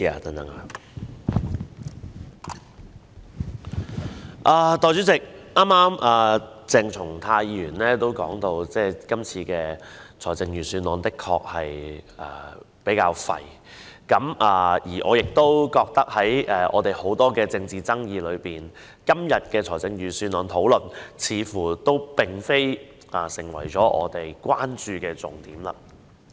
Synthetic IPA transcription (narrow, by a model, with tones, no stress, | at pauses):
t̪ɐ˨˥ŋt̪ɐ˨˦ŋ˨ | ʔaː˨˧t̪ɔː˨˧jt͡ʃyː˨˥t͡sɪ˨k̚aː˥mːaː˥mʔaː˨˩ | t͡sɪ˧ŋt͡sʰʊ˨˩ŋt̪ʰaː˧jjiː˧jyː˨˩nlɛː˥t̪o˥wkɔ̰ː˨˥ŋt̪o˧wt͡sɛː˥˩kɐ˥mt͡sʰiː˧kɛː˧t͡sʰɔː˨˩t͡sɪ˧ŋjyː˨˩nsyː˧nlɔː˨˧nt̪ɪ˥kʰːɔ̰ː˧k̚hɐ˨jɐ̰ː˨˩ | pe˨˥jkaː˧wfɐ̰˨j | kɐ˨˥maː˨jiː˨˩ʔɔː˨˧jɪ˨k̚t̪o˥wkɔː˧k̚t̪ɐ˥k̚hɐ˨˥jɛː˨˩ʔɔ̰ː˨˧t̪e˨˩jho˨˥wt̪ɔː˥kɛː˧t͡sɪ˧ŋt͡siː˨t͡sɐ˥ŋjiː˧lɵ˨˧ɥpiː˨n | kɐ˥mjɐ˨t̚kɛː˧t͡sʰɔː˨˩t͡sɪ˧ŋjyː˨˩syː˧nlɔː˨˧nt̪ʰo˨˥wlɵ˨˩nt͡sʰiː˨˧fuː˨˩t̪o˥wpɪ˨ŋfe˥j | ʔaː˨˩sɪ˨˩ŋwɐ̰˨˩jt͡ʃɔː˨˥ʔɔ̰ː˨˧t̪e˨jkʷaː˥nt͡ʃyː˨˧kɛː˧t͡sʊ˨ŋt̪iː˨˥mlɐ̰˧